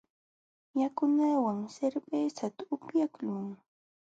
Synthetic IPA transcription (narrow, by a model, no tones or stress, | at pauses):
jakʊnawaŋseɾbesat̪aʊpjaklʊŋ